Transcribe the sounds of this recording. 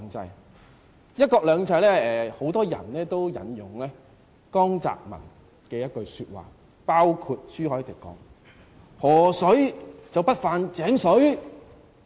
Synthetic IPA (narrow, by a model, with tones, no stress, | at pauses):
ŋt͡sɐ˧j | jɐ˥t̚kɔː˧k̚lœː˨˧ŋt͡sɐ˧jlɛː˥ɛː˨ho˨˥wt̪ɔː˥jɐ̰˨˩nlɛː˥t̪o˥wjɐ̰˨˥njʊ˨˩ŋlɛː˥ | kɔː˥ŋt͡sa̰ː˧k̚mɐ̰˨˩n | kɛː˧jɐ˥t̚kɵ˧ɥsyː˧t̚wa̰ː˨˩ | paː˥wkʰuː˧t̚syː˥hɔː˨˥t̪ɪ˨˩kːɔ̰ː˨˥ŋ | hɔː˨˩sɵ˨˥ɥt͡sɐ˨wpɐ˥t̚faː˨nt͡sɛː˨˥ŋsɵ˨˥ɥ